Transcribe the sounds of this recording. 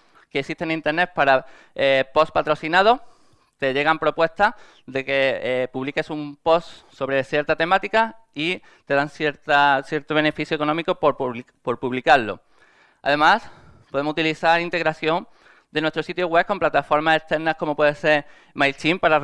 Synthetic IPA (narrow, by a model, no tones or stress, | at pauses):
keːsiht̪e̞nĩnt̪e̞ɾne̞t̪̚paɾa | epo̞spat̪ɾo̞θinað̞o̞ | t̪e̞ʝe̞ɣ̞ampɾo̞pwe̞st̪a | ðe̞ke̞puβlike̞sumpo̞st̪so̞βɾe̞θje̞ɾt̪at̪e̞mat̪ikai | t̪e̞ðansjeɾt̪aθje̞ɾt̪o̞β̞e̞ne̞fiθjoeko̞nomiko̞po | po̞ɾpuβlikaɾlo̞̰ | a̰ðe̞mas | po̞ðeohut̪iliθaɾint̪e̞ɣɾaθjo̞n | d̪enwest̪ɾo̞sit̪joɣwe̞ko̞mplat̪afo̞ɾmase̞st̪e̞ɾnahko̞mo̞pwe̞ðese̞ɾ | majlt͡ʃimpaɾar